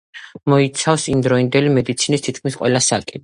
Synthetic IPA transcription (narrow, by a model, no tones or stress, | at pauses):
mɔit̪sʰafsimd̪ɾɔind̪ɛlimɛd̪it̪sʰinist̪ʰit̪̚ʰkʰmisqʼwɛlasakʼi